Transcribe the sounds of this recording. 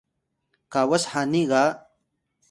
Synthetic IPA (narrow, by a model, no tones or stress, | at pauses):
kaːwɐshaːniɣaː